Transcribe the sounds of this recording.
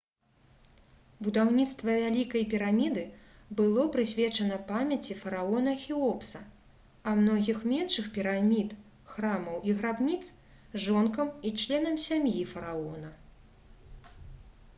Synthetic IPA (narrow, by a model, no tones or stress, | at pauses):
bud̪awnʲit̪st̪vɐvʲalʲikɐjpʲiɾamʲid̪ɨbɨlˠɔpɾɨsʲvʲɛt͡ʂɐnɐpamʲɐt͡sʲifɐɾaɔnɐxʲiɔpsɐ | ɐmnɔɣʲixmʲɛnʂɨxpʲiɾamʲit̪ | xɾamɐwiɣɾabnʲit̪s | ʐɔnkɐmit͡ʂlʲɛn̪ɐmsʲamjifɐɾaɔnɐ